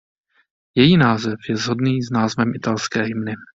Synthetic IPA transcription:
jɛjiːnaːzɛfjɛvzɦo̞dniːznaːzvɛmʔɪt̪alskɛːɦɪmnɪ

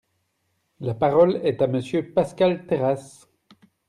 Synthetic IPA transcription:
lapaʁɔlɛt̪aməsjøpaskalt̪eʁas

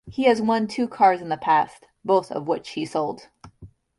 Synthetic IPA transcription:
hiɨzwʌ̃ntʰʉkʰɑɹzn̩ðəpʰæst | b̥oʊθʌ̰vwɪt͡ʃhisoʊlˠd̥

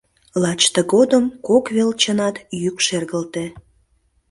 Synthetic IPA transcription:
lɑt͡ɕt̪əɣod̪əmkokβelt͡ɕənɑt̪jykʃerɣəlt̪e

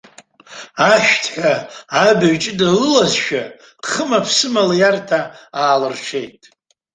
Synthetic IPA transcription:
aʃᶣtʰħʷᶣaːbaɥt͡ʃʼɪdalɨlazʃᶣa | χəmapʰsɨmaljartʰaaːlɨrt͡ʃʷʰe̞jtʼ

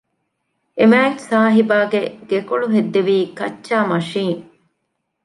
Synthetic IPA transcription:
emæːksaːɦibaːɡeɡ̥ekoɭuɦed̪ːeʋiːkɐt͡ʃːʃːaːmɐʃiːŋ

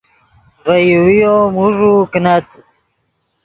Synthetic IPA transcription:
vəjwijomuʐuknat̪

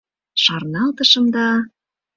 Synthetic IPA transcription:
ʃɑrnɑlt̪əʃɤ̆md̪ɑ

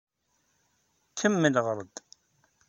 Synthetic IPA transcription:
kːəmːəlʁəɾˤd̪

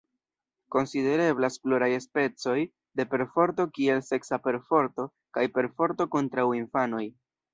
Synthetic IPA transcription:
ko̞nside̞ɾe̞blasploɾajespe̞t͡so̞j | de̞pe̞ɾfo̞ɾt̬o̞kie̞lse̞ksape̞ɾfo̞ɾto̞ | kajpe̞ɾfo̞ɾto̞ko̞ntɾawinfano̞j

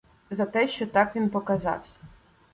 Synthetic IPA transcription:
zɐt̪ɛʃt͡ʃɔt̪ɑkʋʲinpɔkɐzɑ̰wsʲɐ̥

